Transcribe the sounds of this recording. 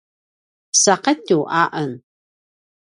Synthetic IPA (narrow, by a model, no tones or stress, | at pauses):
sɑqet̪uʔaʔən